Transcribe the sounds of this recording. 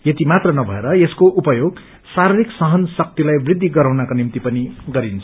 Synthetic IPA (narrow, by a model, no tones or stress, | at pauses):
jet̪imat̪rʌnʌbʱʌ̰eɾʌeskoʔupʌjoɡ | saɾiɾiksʌɦʌnsʌk̚t̪ilajbrid̪ʱːiɡʌɾawnakonimt̪ipʌniɡʌɾint͡sʰʌ̥